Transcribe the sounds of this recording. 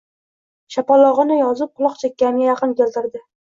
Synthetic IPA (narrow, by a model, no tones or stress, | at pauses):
ʃapɒlˠɒʁɨnɪjɒzɪp̚qʰʊlˠɒqt͡ʃʰakʲːaɡʲajɑqɨnkʲelt̪ɪɾd̪ɪ